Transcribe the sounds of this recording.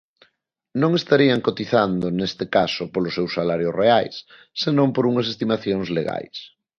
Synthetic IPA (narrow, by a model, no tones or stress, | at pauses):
nõŋest̪aɾiaŋkot̪iθand̪ʊnest̪ekasʊpolʊsewsːalaɾjʊsreajsː | enõmpoɾuŋɐs̬est̪imaθjoŋzleɣa̰js